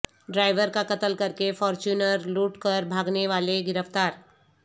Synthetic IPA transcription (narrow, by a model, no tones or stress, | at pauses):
ɖɾaːɪʋəɾkakɐt̪əlkɐɾkefɔːɾt͡ʃuːnəɾluːʈkəɾbʱaːɡneʋaːleɡɪɾəft̪aːɾ